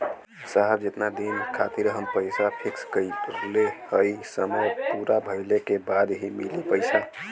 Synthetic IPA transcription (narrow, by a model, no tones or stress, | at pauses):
saɦəbd͡ʒet̪nad̪inkʰat̪iɾəɦəmpəjsapʰikskəjpəɾlehəjsəməjpuɾabʱəɪlekebad̪ɦimilepəjsa